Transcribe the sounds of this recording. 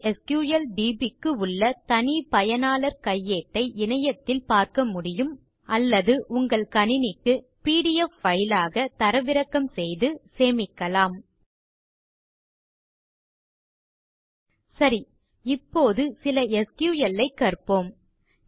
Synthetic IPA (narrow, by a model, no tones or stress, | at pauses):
ɛskjuːjɐlɖiːbikːɯʊɭːɐt̪ɐnipɐjɐnaːlɐɾkɐjːeːʈːɐɪʔɪnɐjɐt̪ːɪlpaːɾkɐmʊɽɪjɯm | ɐlːɐðɯʔʊŋɡɐɭkɐɳɪnɪkːɯ | piːɽɪjɛfːɐjlaːɣɐt̪ɐɾɐʋɪɾɐkːɐmsɛjðɯseːmɪkːɐlaːm | sɐɾi | ɪpːoːðɯsɪlɐɛskjuːjɐlːɐɪkːɐrpoːm